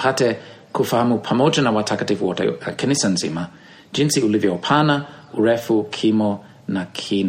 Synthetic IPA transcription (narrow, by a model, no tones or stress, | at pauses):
pʰatɛ | kʰufaamupʰamod͡ʒənawatʰakətivɔtə̰kʰɛnisɐnzḭmə̥ | d͡ʒinsiuliviopʰanə | uɹɛfukʰimo | nakʰin